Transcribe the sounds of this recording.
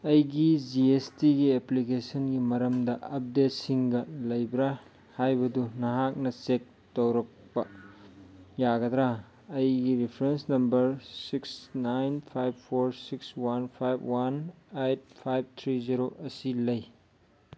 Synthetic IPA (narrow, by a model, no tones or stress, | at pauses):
ɐjɡid͡ʒiestiɡieplikesɐnɡimɐɾɐmdɐʔɐp̚det̚siŋɡɐlɐjbɾa | hajbɐdunɐɦak̚nɐt͡ʃek̚ | tɐwɾɐk̚pɐ | jaɡɐd̪ɾa | ɐjɡiɾipʰɾensnɐmbɐɾsiksnajnpʰajbpʰoɾsikswanpʰajbwan | ejt̚pʰajb̚t̪ʰɾiziɾoʔɐsilɐj